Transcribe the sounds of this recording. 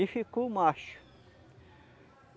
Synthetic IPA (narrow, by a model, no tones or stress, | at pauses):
ifikumaʃ